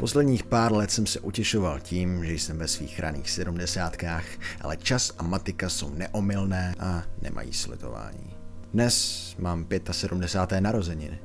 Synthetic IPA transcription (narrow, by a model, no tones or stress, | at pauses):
poslɛdɲiːxpaːɾlɛt̪sɛmsɛʔucɛʃo̞valciːmʒɛjsɛmvɛsviːxɾʔa̰nḭːxsɛdumdɛsaːt̪kaːxʔa̰lɛt͡ʃasamat̪ɪkaso̞wnɛʔomɪlnɛːʔanɛ̰mʔa̰jḭːslɪ̰t̪o̞̰va̰ːɲḭːdnɛsmaːmpjɛt̪asɛdumdɛsaːt̪ɛːnaɾo̞zɛɲɪnɪ̰